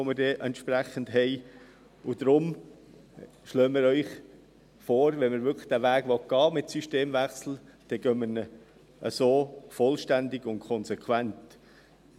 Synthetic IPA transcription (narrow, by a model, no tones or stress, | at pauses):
oməɾdɛːʔɛntʃpræχən̩dɦɛɪ | ʊd̪ɾʊm | ʃløːməɾœʏχ | foːɾʋɛnməɾʋʏkʰə̥d̥æːʋæːɡ̥ʋɔt̚ɡ̥ɑːmɪtsyʃteːmvæχsl̩d̥ɛɡœmənə | ʔə̰soːfɔlʃtændɪɡ̥ʊntkʰɔnsɛkʰwænt